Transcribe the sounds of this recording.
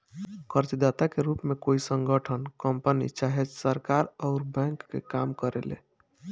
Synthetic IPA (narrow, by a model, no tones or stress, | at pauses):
kʰəɾt͡ʃd̪at̪akeɾupmekoisəŋɡəʈʰənkəmpənḭt͡ʃaɦed͡ʒsəɾkaɾɔʊɾbɛ̃ŋkːḛkamkəɾelḛ